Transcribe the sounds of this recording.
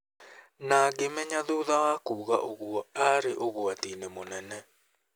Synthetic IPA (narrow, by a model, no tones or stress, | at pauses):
naɡemɛɲaðoðawakuːɣaʔoɣwɔaɾeʔoɣwatinemonɛnɛ